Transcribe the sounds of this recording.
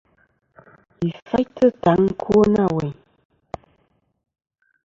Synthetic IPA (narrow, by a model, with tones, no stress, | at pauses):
i˨fa˦jtə˦ta˨˦ŋ̩˦kʰo˦na˦˨we˨